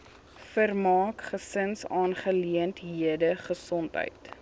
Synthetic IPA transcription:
fərmɑːkχəsənsɑːnχəliəntɦiədəχəsɔntɦə̰jt

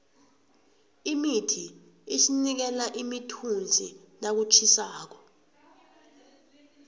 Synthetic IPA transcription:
imitʰi | eʃinik̬ɛlaʔimitʰund͡zʱinak̬ut͡ʃʰisaːk̬ɔ̥

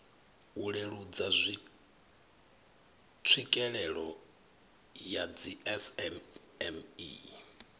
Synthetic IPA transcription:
uɺeɺud͡zazʷi | tʰwikʼɛɺɛɺɔ | jad͡ziɛsɛ | ɛmḭ

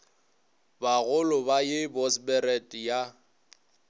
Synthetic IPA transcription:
baɣʊlʊbajɪbɔsbɛɾɛtʼja

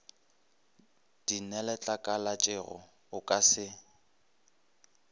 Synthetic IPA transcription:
d̥inɛlɛt͡ɬʼakʼalat͡ʃʼɛɣɔ̰ | ʊkʼasɪ

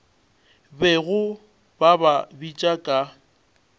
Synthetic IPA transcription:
bɛɣʊ | bababit͡ʃʼakʼa

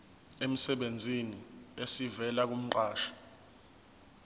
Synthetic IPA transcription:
em̩sɛɓend͡zʱiniesivɛlak̬um̩ǃaːʃḁ

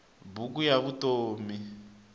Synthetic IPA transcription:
buk̬ujaβutoːmi

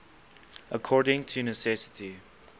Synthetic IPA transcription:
ʔəkʰɔɹdɪ̃ŋtʰunəsɛsɪ̥tʰi

